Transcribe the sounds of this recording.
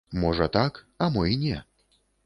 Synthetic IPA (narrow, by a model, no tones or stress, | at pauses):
mɔʐɐt̪ak | ɐmɔinʲɛ